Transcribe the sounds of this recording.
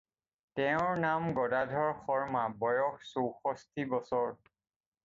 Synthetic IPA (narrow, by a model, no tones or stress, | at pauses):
tɛʊ̃ɹnamɡɔdadʱɔɹxɔɹmabɔjɔxsowxɔstʰibɔsɔɹ